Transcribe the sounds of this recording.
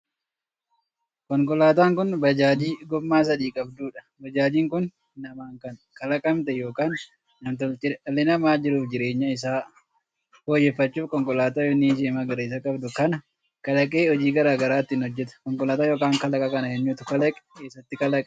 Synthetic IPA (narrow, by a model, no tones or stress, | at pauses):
kɔŋkʼɔlaːt̪̬aːŋkʊnbɐd͡ʒaːd͡ʒiːɡɔmːaːs̬ɐᶑiːkʼɐbd̪uːᶑɐ̥ | bɐd͡ʒaːd͡ʒiːŋkʊnː | ɐmaːŋkɐn | kɐlɐkʼɐmt̪ɛjoːkaːnː | ɐmt̪ɔlt͡ʃɪlːɛnɐmaːd͡ʒɪɾuːfd͡ʒɪɾeːɲːɐɪs̬aː | hoːjɛfːɐt͡ʃːuːfkɔŋkʼɔlaːt̪aːjɔnːiʃeːmaɡɐɾeɪs̬ɐkʼɐbd̪ʊkɐnɐ | kɐlɐkʼeːɔd͡ʒiːɡɐɾaːɡɐɾaːt̪ːɪnhɔd͡ʒːɛt̪ɐ̥kɔŋkʼɔlaːt̪aːjo̞ːkaːŋkɐlɐkʼɐkɐnɐjɛɲːuːt̪ʊkɐlɐkʼɛ̥eːsːɐt̪ːɪkɐlɐkʼ